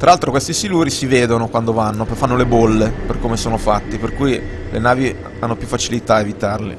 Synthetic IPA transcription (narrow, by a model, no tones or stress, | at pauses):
t̪ɾaalt̪ɾokwest̪isiluɾisiveːd̪onokwand̪ovanːopfanːolebolːeperkoːmesoːnofat̪ːeperkujlʔenaːvi | anːopjufːat͡ʃilit̪aevit̪arlḭ